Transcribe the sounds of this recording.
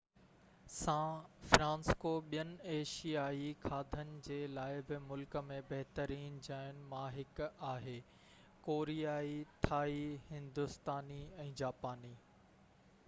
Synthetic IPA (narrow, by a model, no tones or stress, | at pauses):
sãfɾãːnskoɓijənɪ̆eːʃijaːixʰaːd̪ʱənɪ̆d͡ʑeːlaːɪbɪmʊlkə̆mẽbɐɦt̪əɾiːnd͡ʑaːɪʊnɪ̆mãːɦɪkaːɦeː | koːɾijaːit̪ʰaːihɪ̃nd̪ʊst̪aːniɛ̃ːd͡ʑaːpaːniː